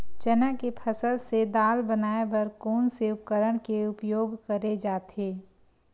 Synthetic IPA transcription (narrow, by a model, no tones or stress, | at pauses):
t͡ʃənəkepʰəsəlsed̪aːlbənaːebɐɾkoːnseʊp̚kəɾəɽ̃keʊpjoːɡkəɾed͡ʒaːt̪eː